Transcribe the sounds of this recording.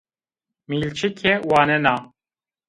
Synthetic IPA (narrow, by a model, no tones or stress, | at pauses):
miːlt͡ʃʰikʰɛwaːnɛnaː